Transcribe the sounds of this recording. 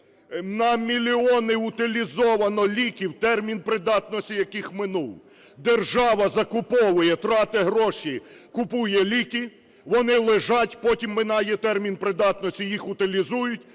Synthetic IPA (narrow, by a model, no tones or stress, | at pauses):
nɐmʲilʲiɔnɪʊt̪ɪlʲizɔʋɐnɔlʲikʲiwt̪ɛrmʲinpɾɪd̪ɑt̪nɔsʲtʲijɐkɪxmɪnulˠ | d̪erʒɑʋɐzɐkʊpɔʋɪjɛt̪ɾɑt̪ɪɦɾɔʃikʊpujɛlʲikʲi | ʋɔnɪlˠɪʒɑtʲpɔtʲimːɪnɑjɛt̪ɛrmʲinpɾɪd̪ɑt̪nɔsʲijixʊt̪ɪlʲizujʊtʲ